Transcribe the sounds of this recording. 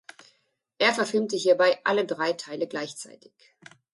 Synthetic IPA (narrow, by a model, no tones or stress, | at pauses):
ʔeːɐfɛɐfɪlmtəɦiːɐbaɪʔa̰lədʁaɪtʰaɪləɡlaɪçt͡sa̰ɪtʰɪ̥ç